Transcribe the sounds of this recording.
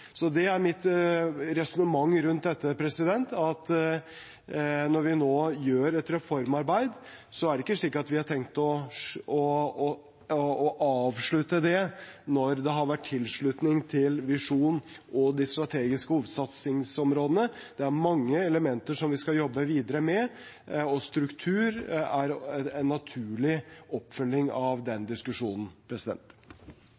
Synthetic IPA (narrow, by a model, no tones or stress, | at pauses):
sɔd̪ɛæɾmɪt̪ɾɛsʊnəmɑŋːɾʉnt̪̚d̪ɛt̪ːəpʰɾɛsɪd̪ɛnt̪ɑt̪ | nɔɾʋɪnoːjøːɾɛt̪ɾɛfɔɾmɑɾbæɪd̪ | sɔæɖɛɪkːəʂɭiːkɑt̪ʋɪhɑʈʰɛŋkt̪ɔɔ | ʔɑːʋʂɭʉt̪əd̪ɛnɔɾd̪ɛɦɑɾʋæʈʰːɪlʂɭʉt̪nɪŋt̪ʰɪlʋɪʂuːn | ʔɔd̪ɪst̪ɾɑt̪ʰeːɡɪskəhuːʋəd̪sɑt̪sɪŋsɔmɾoːd̪ənəd̪̥ɛæɾmɑŋːəɛləmɛnt̪əʂɔmʋɪskɑjɔbːəʋiːd̪əɾəmɛ | ɔst̪ɾʉkt̪ʰʉːɾæɾɛnːɑt̪ʰʉːɭɪʔɔpːfʏlːɪŋɑʋd̪ɛnd̪ɪskʉʂuːnn̩pʰɾɛsɪd̪ɛ̰nt̪